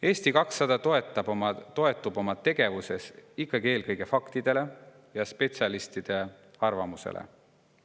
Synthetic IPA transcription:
e̞ːst̪ikɑksːɑd̪̥ɑt̪oet̪ːˑɑbmɑt̪o̞e̞t̪ːˑub̥o̞mɑt̪ːe̞ɡ̥e̞vuse̞sikːˑɑɡie̞ːlkɤjɡ̥e̞fɑkt̪id̪̥e̞le̞ | jɑspe̞tsʲiɑlist̪id̪̥e̞ | ɑrvɑmusḛlʔḛ

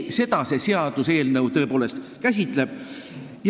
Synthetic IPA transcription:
se̞d̪ɑse̞se̞ɑd̪̥use̞ːlnɤwt̪ɤ̞e̞poːle̞st̪kæsʲit̪le̞b̥ | j

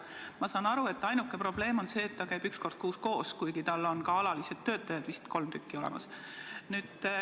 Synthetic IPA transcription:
mɑsɑːnɑɾue̞t̪ːˑɑjnukːˑepro̞b̥le̞ːmo̞nse̞ːt̪ːɑkæjb̥yksko̞rd̪̥kuːsko̞ːskujɡit̪ɑlːo̞nkɑɑlɑlised̪t̪ːø̞ːt̪ːˑɑjɑd̪̥vist̪ko̞lmt̪ykːio̞lḛmɑ̰s | nyːd̪̥

